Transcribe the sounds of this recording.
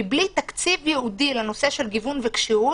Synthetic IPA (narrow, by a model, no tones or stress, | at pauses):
blit̪akt͡sivjeudileno̞se̞ʃelɡivunvekʃiu